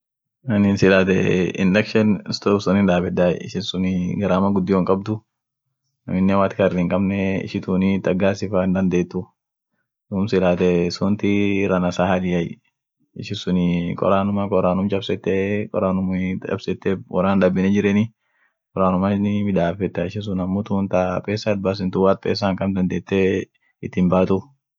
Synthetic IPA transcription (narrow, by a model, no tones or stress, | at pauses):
nɐninsɪlaːt̪ɛ̰ɪ̰nlɛkʃɛnɪst̪oːbsʊnɪnᶑ̪aːfɛd̪aːjɪ̰ʃɪnsʊnɪɡɐɾaːmɐɡʊd̪ːɪwɐŋkʼɐb̚d̪ʊ | nɐ̰mɪnːɛwaːt̪ɪkɐɾdɪŋkʼɐbnɛɪ̰ʃɪt̪uːnɪt̪ɐɡaːsɪfaɪnd̪ɐnd̪eːt̪ːʊ | duːmsɪlaːt̪ɛsʊnt̪ɪrːɐnɐsaːhɐlɪjɐj | ɪʃɪsʊnɪkʼɔ̰ɾaːnʊmɐkʼɔɾaːnʊmt͡ʃʼɐbsɛt̪ːɛkʼɔ̰ɾaːnʊmɐ̰bsɛt̪ːɛwɐ̰ɾaːnᶑɐbɪnɛd͡ʒɪɾɛnɪ | kʼɔɾaːnʊmɐnɪmɪᶑ̪aːfɛt̪ːɐɪʃɪs̬ʊnɐmːʊt̪unt̪apʼeːsːaːd̪bas̬ɪnt̪ʊwaːt̪̚pʼḛːs̬ːaːŋkɐmd̪ɐnd̪eːt̪ːɛ | ɪt̪ːɪmbaːt̪u